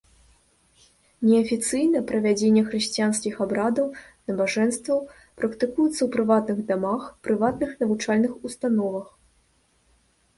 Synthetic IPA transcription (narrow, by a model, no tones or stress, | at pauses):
nʲɛɐfʲit̪sɨjnɐpɾɐvʲad͡zʲenʲːɛxɾɨɕʲt͡sʲijanskʲixabɾad̪ɐwnɐbaʐɛnst̪vɐw | pɾɐkt̪ɨkujɛt̪sɐwpɾɨvat̪nɨɣd̪amaxpɾɨvat̪nɨxnɐvut͡ʂalʲnɨxust̪anɔvɐx